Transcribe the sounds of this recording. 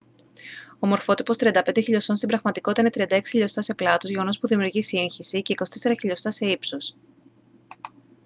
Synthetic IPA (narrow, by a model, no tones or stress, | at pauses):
omo̞ɾfo̞t̪ipo̞st̪ɾiɐnd̪ɐpend̪eçiʎo̞so̞nst̪ibɾɐɣmɐt̪iko̞t̪it̪ine̞t̪ɾiɐnd̪ɐe̞ksi̥çiʎo̞st̪ɐse̞plɐt̪o̞zʝe̞ɣo̞no̞spuðimijuɾʝisiinçisice̞iko̞sit̪ese̞ɾɐçiʎo̞st̪ɐse̞ipsos